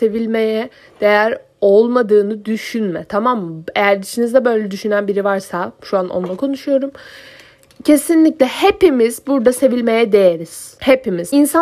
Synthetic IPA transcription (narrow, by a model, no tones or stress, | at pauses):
se̞vilʲme̞jɛ | d̪̥e̞jæɾ | o̞lˠmad̪ɯːnɯd̪yʃynmɛt̪ʰamamːḛjæɾd̪it͡ʃʰinizd̪ɛbø̞jlʲɛd̪yʃynænbiɾivaɾsaʃuanʔo̰nlˠakʰo̞nuʃujo̞ɾum | cʰe̞sinlʲiclʲɛhe̞pimiz̥buɾd̪ase̞vilʲme̞jɛd̪e̞jeɾiz̥hepimiz̥insa